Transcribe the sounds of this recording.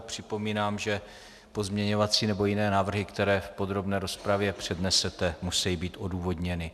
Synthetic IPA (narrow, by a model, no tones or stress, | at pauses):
pr̝̥ɪpo̞miːnaːmʒɛ | po̞zmɲɛɲo̞vat͡siːnɛbo̞jɪnɛːnaːvr̩ɦɪkt̪ɛɾɛːfpod̪ɾo̞bnɛːɾo̞spɾavjɛpr̝̥ɛdnɛsɛt̪ɛmusɛjibiːt̪ʔo̞duːvo̞dɲɛnɪ